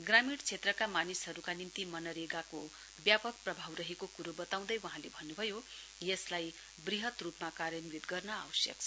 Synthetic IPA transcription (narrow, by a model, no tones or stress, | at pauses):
ɡramiɽt͡sʰet̪rʌkamanisɦʌɾukanimt̪imʌnʌɾeɡako | bjapʌk̚prʌbʱawrʌɦekokuɾobʌt̪aw̃d̪ʌjwʌɦãlebʱʌnːubʱʌjo | jʌslaj | briɦʌt̪rupmakaɾjʌnbid̪ɡʌrnʌa̰wʌsjʌ̰kt͡sʰ